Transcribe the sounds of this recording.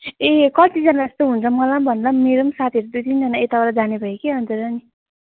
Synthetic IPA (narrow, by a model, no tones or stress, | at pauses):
ekʌt̪id͡zʌnad͡zʌst̪oɦunt͡sʰʌmʌlambʱʌnlameɾʌmsat̪ʰiʌɾud̪ujt̪ind͡zʌnaet̪abʌɾad͡zanebʱʌekeɦʌnt͡surʌni